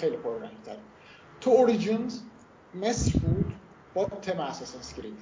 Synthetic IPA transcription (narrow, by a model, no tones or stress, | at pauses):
xejlipʰoɾɾænɟt̪ʰæɾ | t̪ʰuoɾid͡ʒinz | mesbuːd̪̥ | b̥ɒt̪ʰemeæsɒːsænscɾin